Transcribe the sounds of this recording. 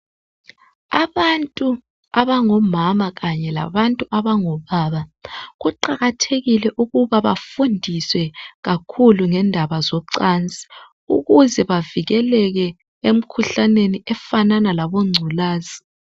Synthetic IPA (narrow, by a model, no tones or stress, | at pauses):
aβantʼu | aβaŋɔmamaɣaɲɛla̰βantʼuʔaβaŋɔβaːβaɣuǃaɣatʰeɣilɛʔuɣuβaβafundʱiswɛɣakʰuluŋɛndʱaβazɔǀant͡sʼi̥ | ṵɣuzɛβaviɣɛlɛɣɛ | em̩kʰuɬaneniɛfananalaβoŋ͡ǀʱulaːzi